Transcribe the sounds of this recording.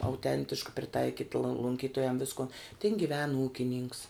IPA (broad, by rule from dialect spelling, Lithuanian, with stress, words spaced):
ɐʊˈtʲɛnʲtʲɪʃkɐ pʲrʲɪˈtɐɪkʲɪt lˠoː lˠʊŋʲˈkʲiːtoːjɛm ˈʋʲɪskoːn tʲɪn ɡʲɪˈʋʲɛn ˈuːkʲɪnʲɪŋks